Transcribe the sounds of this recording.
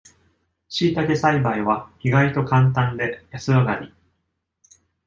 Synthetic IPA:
ɕiːt̪akesaibaiβaçiɡait̪o̞kãnt̪̬ãnd̪e̞jasɨβaɡaɾʲi

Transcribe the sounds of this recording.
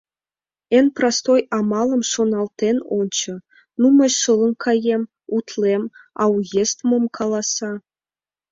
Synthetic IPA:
enʲprɑst̪ojɑmɑlˠɤ̆mʂonɑlˠt̪enont͡ɕɤ̆ | numɤ̆ɕʂɤlˠɤ̆nkʰɑjem | ut̪lʲemɑ̰wjest̪mɤ̆mkʰɑlˠɑsɑ

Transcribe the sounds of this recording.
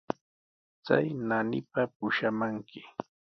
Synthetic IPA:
t͡sa̰jnanɪpapʊʃamaŋkɪ

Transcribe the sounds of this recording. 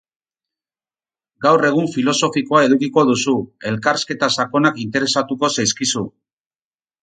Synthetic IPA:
ɡawre̞ɣ̞uɱfilo̞so̞fiko̞ae̞ðukiko̞ðusue̞lkaɾske̞t̪asako̞nakint̪e̞ɾe̞sat̪uko̞sajskisu

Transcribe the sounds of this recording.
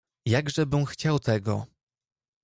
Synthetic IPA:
jaɡʐɛbɘmxt͡ɕawt̪ɛɡɔ̰

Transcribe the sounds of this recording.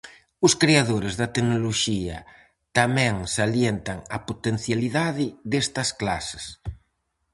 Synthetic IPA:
ʊskɾeaðoɾezðɐt̪eɡnoloʃiɐ̰ | t̪amɛ̃ŋsaljent̪ɐŋɐpot̪en̟θjaliðaðɪðest̪ɐsklase̥s

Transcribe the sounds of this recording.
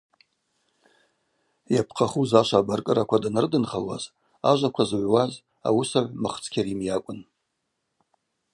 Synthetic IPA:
japʰqʰaχuzaʃʷaːbarkʼɨɾakʷʰadanɨrdɨnχalwa̰z | aʒʷakʷʰazʕʷwaz | a̰wusaʕʷmɨχt͡sʰʼkʲʰaɾimjakʷʼʊn

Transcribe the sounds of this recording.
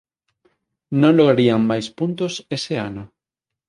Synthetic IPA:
nõnloɣɾaɾiaŋmajspunt̪oseseano

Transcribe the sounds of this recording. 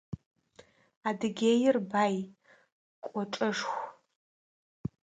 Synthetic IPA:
adɨɡʲeːjɪrbaːj | kʷʼɔʈ͡ʂʼɐʂxʷ

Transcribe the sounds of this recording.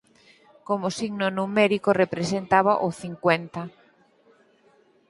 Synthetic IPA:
komosiɡnonumeɾikorepɾesent̪aβaʔoθiŋkwent̪ɐ

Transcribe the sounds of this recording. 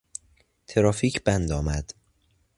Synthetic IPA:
t̪ʰeɾɒːfiːcʰb̥ænd̪ɒːmæd̪̥

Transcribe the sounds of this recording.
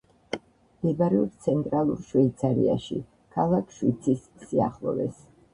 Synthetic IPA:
md̪̥ɛbaɾɛuɾt̪sʰɛnt̪ʼɾalˠuɾʃwɛit̪sʰaɾḭa̰ʃḭ | kʰalˠakʰʃwit̪sʰisːia̰χlˠɔ̰vɛ̰s

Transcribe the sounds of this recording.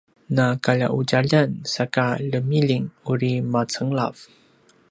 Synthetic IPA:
nakaʎa̰ʔuɟaʎansakaləmiliŋuɾimat͡səŋla̰v

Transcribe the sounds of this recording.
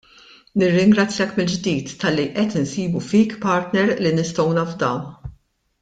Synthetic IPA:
nɪrːɪŋɡɾɐt͡sːjɐkmɪld͡ʒd̪iːt̪ːɐlːiʔɛt̪ɪnsiːbufiːkpɐɾt̪nɛɾlinɪst̪ɔwnɐvd̪ɐw

